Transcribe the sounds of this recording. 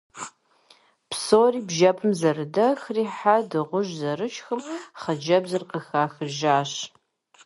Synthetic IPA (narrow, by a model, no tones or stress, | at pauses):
psoːriːbʒɐpʰɨmzɐrɨdɐxriːħadɨʁʷʊʒzɐɾɨt͡ʃxɨmχɐd͡ʒɐbzɨrqəxaːxɨʒaːɕ